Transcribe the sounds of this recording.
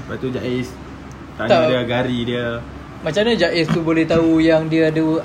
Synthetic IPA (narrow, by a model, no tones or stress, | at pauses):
bat̪ud͡ʒaʔɪs | t̪at̪adiəɡaɾidiə | mat͡ʃamɲad͡ʒaʔɪst̪ubolɛht̪aujaŋdiəadə